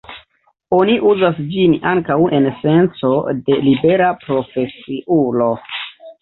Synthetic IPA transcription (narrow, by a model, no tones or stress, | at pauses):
o̞niʔuzasd͡ʒinaŋkawe̞nse̞nt͡so̞de̞libe̞ɾapɾo̞fe̞siʔulo̞